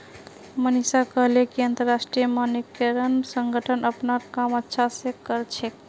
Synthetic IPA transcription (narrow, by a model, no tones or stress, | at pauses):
mənisakəɦlekiənt̪əɾːasʈɾijəmanikeɾənsəŋɡʱəʈʰənʔəpnaɾkamətːʃʰasẽkəɾt͡ʃʰe